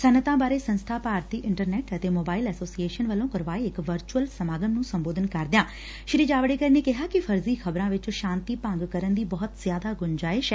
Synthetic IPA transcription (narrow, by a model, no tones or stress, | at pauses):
sənət̪ãːbaːɾeːsənst̪ʰaːpaːɾt̪iːʔɪɳʈəɾnɛːʈət̪eːmoːbaːɪlɛːsoːsieːʃənʋəlːõːkəɾʋaːiːɪkʋəɾt͡ʃuəlsəmaːɡəmnũːsəmboːd̪ənkəɾd̪ɪjãː | ʃɪɾeːd͡ʒaːʋəɽeːkəɾneːkɪɦaːkɪpʰəɾziːkʰəbɾãːʋɪt͡ʃʃãːnt̪iːpə̃ŋɡkəɾənd̪iːbɔːt̪z̥jaːd̪aːɡʊɲd͡ʒaːɪʃɛː